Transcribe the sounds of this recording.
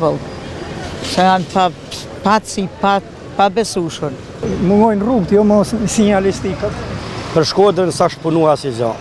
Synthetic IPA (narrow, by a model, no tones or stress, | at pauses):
vəlˠ | sɛanpa | pat̪sipa | pabɛsuʃən | muŋɡɔjnruɡt̪jɔmɔsnsiɲalist̪ikapəɾʃkɔd̪ɾənsaʃt̪̚punuasizɔ̰